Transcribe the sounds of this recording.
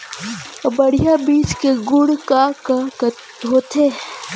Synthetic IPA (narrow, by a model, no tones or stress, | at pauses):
bɐɽijabiːt͡ʃkeɡʊɽkakak | ɦoːt̪ʰeː